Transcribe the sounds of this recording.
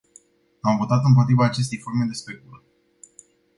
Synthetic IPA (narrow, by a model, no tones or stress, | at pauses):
amvo̞t̪at̪ɨmp̬o̞t̪ɾivaːt͡ʃe̞s̬t̪e̞jfo̞rme̞d̪e̞spekulə